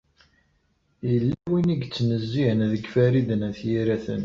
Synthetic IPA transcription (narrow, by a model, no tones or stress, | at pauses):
jəlːæwiniɡt͡sːnəzːiənðəɡfæɾid̪ənæθjiɾæθə̰n